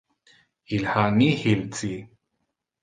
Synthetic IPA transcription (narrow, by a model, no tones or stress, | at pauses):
ilhanihilt͡si